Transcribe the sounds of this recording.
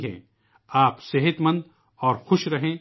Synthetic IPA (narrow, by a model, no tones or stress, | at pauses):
ɦɛ̰̃ː | aːpsɐɦɪt̪mə̃nd̪ | ɔːɾxʊʃɾɐɦẽ